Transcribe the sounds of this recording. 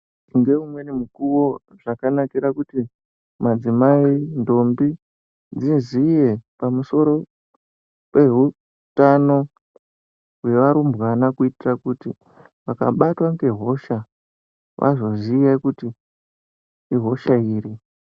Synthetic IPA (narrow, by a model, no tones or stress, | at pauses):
ŋɡe̞umwe̞nimukuwo̞ | ʐ̥akanakiɾakuti | mad͡zimaindo̞mbi | d͡zinzije̞pamuso̞ɾo̞ | pe̞ɦu | tano̞ | ujeʋaɾumbwanakuitirakuti | ʋaka̰ɓatwaŋɡe̞ɦo̞ʃa | ʋʔa̰zo̞zijakuti | iɦo̞ʃaiːɾi